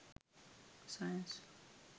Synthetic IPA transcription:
sajə̃ns

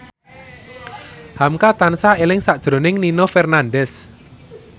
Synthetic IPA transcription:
hamkat̪ansaelɪŋsad̥ʒ̥ɾo̤nɪŋninofɛrnanɖɛs

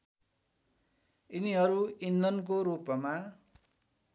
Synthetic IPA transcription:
iniɦʌɾuinːʌnkoɾupʌma

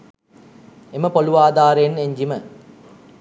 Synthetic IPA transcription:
eməpoluʋaːd̪aːɾeeneɲd͡ʒimə

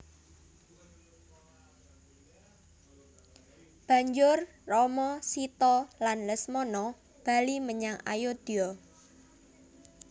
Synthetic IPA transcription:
b̥ä̤ɲd͡ʒʊrː | ɔmɔsit̪ɔlanləsmɔnɔ | b̥a̤liməɲaŋa̰jod̪̥iɔ

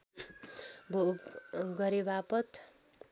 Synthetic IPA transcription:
bʱoɡɡʌɾebapʌt̪

